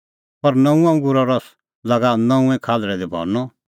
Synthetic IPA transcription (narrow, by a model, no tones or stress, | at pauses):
pɐɾnɐ̃ũɐ̃ŋɡʊɾɔɾɔs | lɐɡanɐ̃ũɛ̃kʰaːlɾɛd̪ebʱɔ̰ɾnɔ